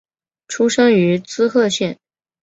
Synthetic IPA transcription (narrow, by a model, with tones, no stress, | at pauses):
ʈ͡ʂʰu˥ʂɤ˥ŋy˧˥t͡sɹ̩˥xɤ˥˧ɕjɛ˥˩n